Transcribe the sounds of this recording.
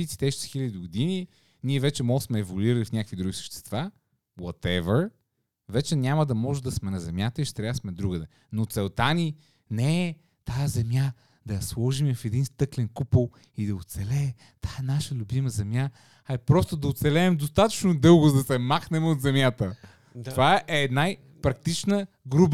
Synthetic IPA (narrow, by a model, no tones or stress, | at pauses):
it̪si̥t̪ɛʃsi̥xilʲɐd̪iɡʊd̪ini | niɛvɛt͡ʃɛmɔlsmɛːvoliɾɐlifnʲakəkvid̪ɾuɡisə̥ʃt̪ɛ̥st̪va | wɔt̪ɛvəɾ | vɛt͡ʃɛnʲamɐd̪ɐmɔʒɛd̪ɐsmɛnɐzɛmʲjat̪əiʃɛ̥t̪ɾʲavəsmɛd̪ɾuɡəd̪ɛ | not̪sɛlˠt̪ani | nɛ | t̪ajɐzɛmja | d̪ɐjɐslˠɔʒimɛfɛd̪inst̪ɤklɛnkupəlˠ | id̪ɐot̪sɛlɛ | t̪aɛnaʃəlʲubiməzɛmʲja | aɛpɾɔst̪od̪ɐot̪sɛlɛːmd̪ost̪at̪ə̥t͡ʃnod̪ɤlˠɡʊzd̪ɐsɛmaxnɛmɛot̪zɛmjat̪ə | t̪ovaɛʔɛːd̪naj | pɾɐk̚t̪it͡ʃnə | ɡɾub